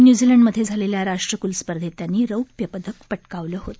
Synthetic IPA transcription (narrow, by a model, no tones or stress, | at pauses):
njud͡ziləɳɖməd̪ʱjed͡zʱaleljaɾaʂʈɾəkulspəɾd̪ʱet̪janːiːɾəwk̚pjəpəd̪ək̚pəʈkaʋləɦot̪